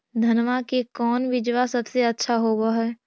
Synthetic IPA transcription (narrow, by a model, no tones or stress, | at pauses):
d̪ʱɐnʋakekɔːnʋɪd͡ʒʋasɐbseɐtːʃʰaɦoːɡaɦɛː